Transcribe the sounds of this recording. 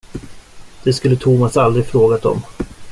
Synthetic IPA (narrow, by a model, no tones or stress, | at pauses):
d̪̥ɛskɵlːət̪ʰʊmasald̪ɾɪɡfɾoːɡat̪ɔ̰m